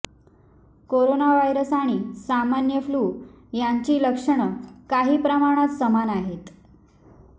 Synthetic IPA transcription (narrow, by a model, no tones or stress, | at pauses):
koɾonaʋajɾəsaɽ̃iːsamanjəfluː | jaɲt͡ɕiːləkʂəɳəkaɦiːpɾəmaɽ̃at̪səmanaɦet̪